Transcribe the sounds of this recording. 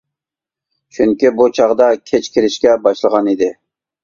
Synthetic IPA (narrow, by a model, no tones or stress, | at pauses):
t͡ʃʰyŋkʲibut͡ʃʰɑʁd̪ɑkʲʰet͡ʃkʲʰɪɾɪʃkʲɛbɑʃlˠəʁɑnid̪ɪ